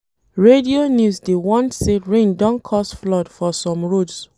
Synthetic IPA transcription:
ɹedionjusdewɔ̃ntseɹẽndɔ̃nkʰɔsflɔdfɔsɔ̃mɹods

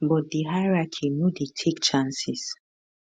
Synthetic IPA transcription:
bɔt̚diɦaɹakʰinoditʰekt͡ʃãnsis

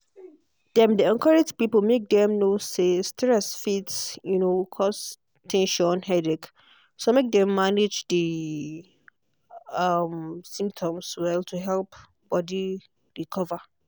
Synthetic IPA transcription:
dɛ̃mdiɛ̃nkʰɔɹed͡ʒpipomek̚dɛ̃mnosestɹɛsfitsjunokʰɔs | tʰɛ̃nʃɔ̃nhɛdik | somek̚dɛ̃mːaned͡ʒdi | amsĩmp̚tʰɔ̃mswɛltʰuɦɛlp | b̥ɔdi | ɹikʰɔva

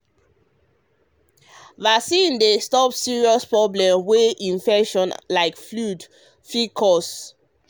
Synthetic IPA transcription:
vasĩndestɔpsiɹiɔspɹɔblɛ̃mweʔĩɱfɛʃɔ̃nlaɪkflud | fikʰɔs

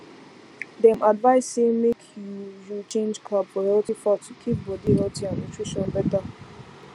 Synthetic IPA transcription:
dɛ̃mʔadvaɪsemekʰjujit͡ʃẽnd͡ʒkʰlabfɔhɛltifɔtʰukʰip̚bɔdihɛltʰĩãnitʰɹ̥iʃɔ̃nbɛtə

